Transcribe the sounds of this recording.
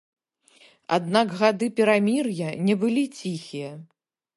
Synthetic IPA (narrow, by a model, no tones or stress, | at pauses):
a̰d̪nakɣad̪ɨpʲɛɾamʲirjɐnʲɛbɨlʲit͡sʲixʲijɐ